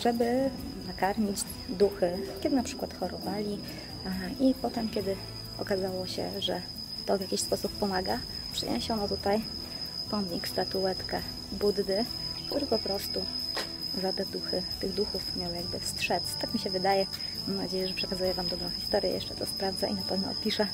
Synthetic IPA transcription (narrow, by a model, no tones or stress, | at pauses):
ʐ̥ɛbɘ | nakaɾɲid͡ʑ | d̪uxɘkʲɛd̪ɘnapʂɘ̥kwat̪xɔɾɔvalʲi | ipɔt̪ɛmkʲɛd̪ɘ | ɔ̰kazawɔɕɛ̰ʐɛ̰ | t̪ɔvjakʲiɕspɔsupːɔmaɡa | pʂɘ̰ɲɛ̰ɕɔnɔt̪ut̪aj | pɔmʲikst̪at̪uɛt̪kɛ | bud̪d̪ɘ | kt̪uɾɘpɔpɾɔst̪u | zat̪ɛd̪uxɘt̪ɘɣd̪uxufmʲjawjaɡbɘfstʂɛt̪st̪akmʲiɕɛvɘd̪ajɛ | mamnad͡ʑejɛʐɛpʂɛkazujɛvamd̪ɔbɾɔ̃w̃çʲi̥st̪ɔɾʲjɛ̰jɛ̰ʂt͡ʂɛt̪ɔspɾavd̪zaʔinapɛvnɔ̰ɔ̰pʲiʂɛ